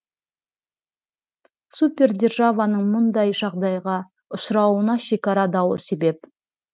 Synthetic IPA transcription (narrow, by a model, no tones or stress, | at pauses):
supʲe̞rd̪ʲe̞rʒavanəɴmʊnd̪ɑjʒɑʁd̪ɑjʁɑ | ʊʃɾɑwənɑʃe̞kʲɑɾɑd̪ɑwə̰se̞be̞p̚